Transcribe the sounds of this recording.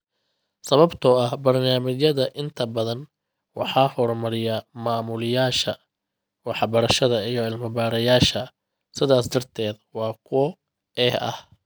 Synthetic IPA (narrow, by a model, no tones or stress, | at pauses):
sɐβɐbt̪ʰɔɐhbɐrnaːmɪjɐðɐʔɪnt̪ʰɐbɐðɐn | wɑ̰ħɑːhɔrmɐɾɪjamaːmʊlɪjaːʃɐ | wɑħɑbɐɾɐʃɐðɐijɔɪlmɐbaːɾɐjaːʃɐ | sɪðaːsd̪ɐrt̪ʰɛːd̪wɑːkʰʊɔ | ɛːhɐ̰h